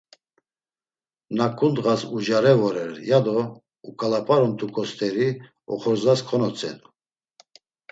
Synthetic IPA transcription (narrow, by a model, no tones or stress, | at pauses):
nakʰʼund̪ʁasud͡ʒaɾɛvɔɾɛɾjad̪ɔ | ukʼalapʰʼaɾɔmt̪ʰukʼɔst̪ʰʼɛɾi | ɔ̰χɔɾzaskʰɔnɔt͡sʰʼɛ̰nu